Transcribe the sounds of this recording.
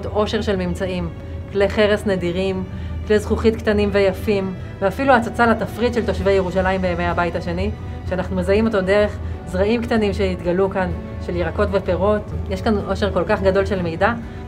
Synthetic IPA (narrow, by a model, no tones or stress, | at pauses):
do̞ʃe̞ʁʃe̞lmimt͡saim | kleχe̞ʁesnediʁim | klezχuχitktanimvejafim | veafiluat͡sat͡salat̪afʁidʃe̞lt̪o̞ʃve̞jeʁuʃalaimbeemejhabajthaʃe̞ni | ʃeanaχnumezaimo̞tode̞ʁe̞χzʁaimktanimʃeit̪ɡalukan | ʃe̞ljiʁako̞tve̞pe̞ʁo̞tjeʃkano̞ʃe̞ʁko̞lkaχɡado̞lʃe̞lme̞jda